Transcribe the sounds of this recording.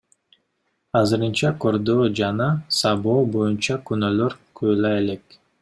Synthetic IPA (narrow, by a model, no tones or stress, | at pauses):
ɑzɨɾɯnt͡ʃɑkʰo̞ɾd̪oːd͡ʒanɑsɑboːbo̞junt͡ʃɑkynøløɾkʰøjlɑele̞k